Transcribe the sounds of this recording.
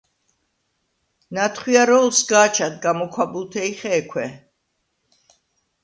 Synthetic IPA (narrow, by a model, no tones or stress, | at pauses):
nat̪ʰχwiaɾɔlˠsɡaːt͡ʃʰad̪̚ɡamɔkʰwabulˠt̪ʰɛiχɛːkʰwɛ